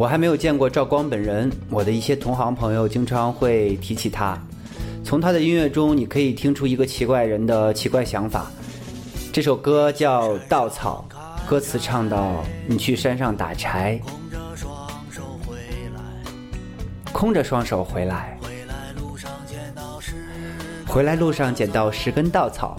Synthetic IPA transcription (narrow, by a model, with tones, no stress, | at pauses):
wɔ˨˩xa˧˥ɪme˧˥ɪjo˨˩ʊt͡ɕjɛ˥˧nkwɔ˥˧ʈ͡ʂɑ˥˩ʊkwɑ˥ŋpə˨˩nɻə˧˥nwɔ˨˩d̪ə˦i˥˩ɕjɛ˥t̪ʰʊ˧˥ŋxɑ˧˥ŋpʰɤ˧˥ŋjo˧ʊt͡ɕi˥ŋʈ͡ʂʰɑ˧˥ŋxwe˥˩ɪt̪ʰi˧˥t͡ɕʰi˨˩t̪ʰa˥ | t͡sʰʊ˧˥ŋt̪ʰa˥d̪ə˨i˥nɥɛ˥˩ʈ͡ʂʊ˥ŋni˨˩kʰɤ˧˥i˨˩t̪ʰi˥ŋʈ͡ʂʰu˥i˧˥ɡə˧t͡ɕʰi˧˥kwa˥˩ɪɻə˧˥nd̪ə˧t͡ɕʰi˧˥kwa˥˩ɪɕjɑ˧˥ŋfa̰˨˩˦ | ʈ͡ʂɤ˥˩ʂo˨˩ʊkɤ˥t͡ɕjɑ˥˧ʊt̪ɑ˥˩ʊt͡sʰɑ̰˨˩˦ʊ | kɤ˥t͡sʰɹ̩˨˧˩ʈ͡ʂʰɑ˥˧ŋt̪ɑ˥˩ʊni˨˩t͡ɕʰy˥˩ʂa˥nʂɑ˥˩ŋt̪a̰˨˩ʈ͡ʂʰa˧˥ɪ | kʰʊ˥˩ŋʈ͡ʂə˨ʂwɑ˥ŋʂo˨˩ʊxwe˧˥ɪla˧˥ɪ | xwe˧˥ɪla˧˥ɪlu˥˧ʂɑ˥˩ŋt͡ɕjɛ˨˩nt̪ɑ˥˩ʊʂɻ̩˧˥kə˥nt̪ɑ˥˩ʊt͡sʰɑ̰˨˩˦ʊ